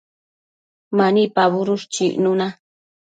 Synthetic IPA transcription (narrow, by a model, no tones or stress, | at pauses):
manipaβʊɾʊʃt͡ʃḭʔnʊna